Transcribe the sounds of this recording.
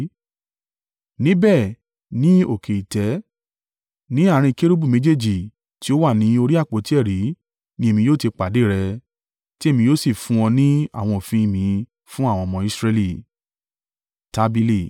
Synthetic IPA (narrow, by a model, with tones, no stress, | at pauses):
nĩ˦bɛ˦˨ | nĩ˨˦o˦˨kʰe˨i˨tɛ˨˦ | nĩ˨˦a˦˨ɾ̃ĩ˧ke˦ɾu˦bu˦˨mẽ˨˦d͡ʒe˦d͡ʒi˨ | ti˦o˦wa˦˨nĩ˨˦o˧ɾi˦a˦˨k͡po˨˦ti˦ɛ˦˨ɾi˨˦ | nĩ˦e˦˨mĩ˧joː˦te˧k͡pa˨de˨˦˨ɾɛ˧ | ti˦e˦˨mĩ˧joː˦si˦˨fũ˦ɔ̃˧nĩ˦a̰˦˨w̃ɔ̃˧o˨fĩ˧i˧˨mĩ˨˧ | fũ˦a˦˨w̃ɔ̃˧mɔ̃˧i˦sɾe˧li˦˨ | ta˧˦bi˧li˦˨